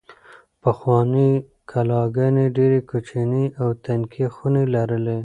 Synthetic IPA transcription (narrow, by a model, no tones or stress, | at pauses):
paxwɑni | kʰalɑɡaneɖeɾekut͡ʃiniawt̪ankʰixunelaɾəle